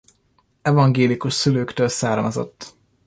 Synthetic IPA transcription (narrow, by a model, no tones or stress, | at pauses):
ɛvɒŋɡeːlikuʃsyløːkt̪øːlsaːrmɒzo̰t̪ː